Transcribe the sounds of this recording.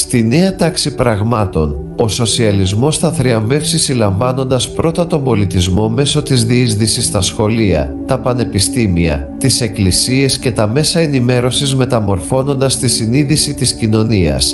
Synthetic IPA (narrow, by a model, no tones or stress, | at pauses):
st̪ine̞ɐt̪ɐksipɾɐɣmɐt̪o̞n | o̞so̞siɐlizmo̞st̪ɐθɾiɐɱve̞fsisilɐɱvɐno̞nd̪ɐspɾo̞t̪ɐt̪o̞mbo̞lit̪izmo̞me̞so̞t̪izðiizðisist̪ɐsxo̞liɐ̰ | t̪ɐpɐne̞pist̪imiɐ̰ | t̪ise̞klisie̞sce̞t̪ɐme̞sɐenime̞ɾo̞sizme̞t̪ɐmo̞ɾfo̞no̞nd̪ɐst̪isiniðisit̪iscino̞niɐ̰s